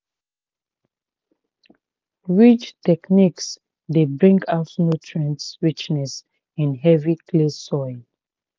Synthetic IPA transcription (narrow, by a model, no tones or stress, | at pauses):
ɹit͡ʃtɛkniks | debɹĩŋɡaʊtnotʰɹə̃ntsɹit͡ʃnɛs | ĩnɦɛvikʰlesːɔɪn